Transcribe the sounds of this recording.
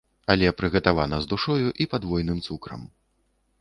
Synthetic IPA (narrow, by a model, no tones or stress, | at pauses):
alʲɛpɾɨɣɐt̪avanɐzd̪uʂɔjuʔipad̪vɔjnɨmt̪sukɾɐ̰m